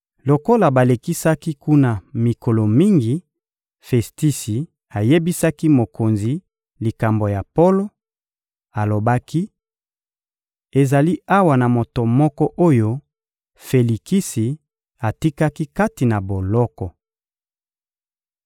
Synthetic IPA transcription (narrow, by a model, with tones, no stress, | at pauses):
lo˨ko˦la˨ba˨le˨ki˦sa˦ki˦ku˦na˨mi˨ko˨lo˨mi˦ŋɡi˨ | fe˨sti˦si˨ | a˨je˦bi˦sa˦ki˦mo˨ko˨nzi˨ | li˨ka˨mbo˨ja˨po˦lo˦ | a˨lo˨ba˦ki˦ | e˨za˨li˦a˦wa˨na˨mo˨to˨mɔ˦kɔ˦ʔo˦jo˦ | fe˨li˨ki˦si˨ | a˨ti˦ka˦ki˦ka˦ti˨na˨bo˨lɔ˦kɔ˨